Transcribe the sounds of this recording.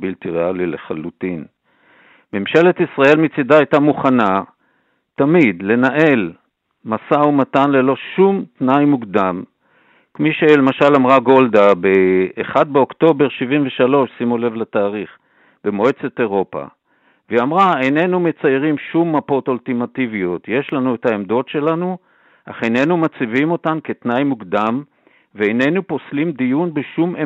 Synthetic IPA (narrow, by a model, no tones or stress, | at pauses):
bilt̪iʁealileχalutin | me̞mʃe̞let̪isʁae̞lmit͡sidaajtamuχana | tamid̪le̞naʔe̞l | masaumatanle̞lo̞ʃumt̪najmuɡd̪am | kmiʃelemaʃalamʁaɡo̞ld̪abeːχad̪̚beo̞kt̪o̞be̞ʁʃivinveʃalo̞ʃsimule̞vletaːʁiχ | b̥e̞moet͡seteʁo̞pa̰ | veamʁaene̞nume̞t͡saeʁimʃumːapo̞toltimativijo̞tje̞ʃlanuetaemd̪o̞tʃe̞lanu | ʔa̰χene̞numat͡sivimo̞tanke̞tnajmuɡd̪am | veene̞nuposlimd̪ijunbeʃume